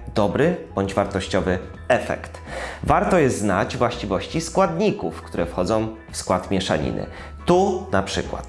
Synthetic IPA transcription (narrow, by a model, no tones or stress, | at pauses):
d̪̥ɔbɾɘb̥ɔɲd͡ʑvaɾt̪ɔɕt͡ɕɔvɘ | ɛfɛ̰kt̪vaɾt̪ɔjɛst̪zna̰d͡ʑvwaɕt͡ɕivɔɕt͡ɕiskwad̪ɲikufkt̪uɾɛfxɔd̪zɔ̃w̃ | fskwat̪mʲjɛʂa̰ɲḭnɘ̰ | t̪unapʂɘ̰kwa̰t̪